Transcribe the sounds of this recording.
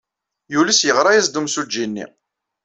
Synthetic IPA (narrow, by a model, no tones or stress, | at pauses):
juləsjəʁɾˤɑjæzd̪umsud͡ʒːinːḭ